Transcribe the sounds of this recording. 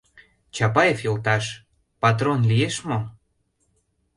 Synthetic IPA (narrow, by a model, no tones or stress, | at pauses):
t͡ɕɑpɑjefjolt̪ɑʃ | pɑt̪̬ronlijeʃmo